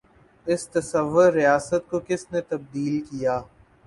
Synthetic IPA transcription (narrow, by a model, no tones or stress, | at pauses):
ɪst̪ɐsɐʋːʊɾːijaːsət̪̚kokɪsnet̪ɐb̚d̪iːlkijaː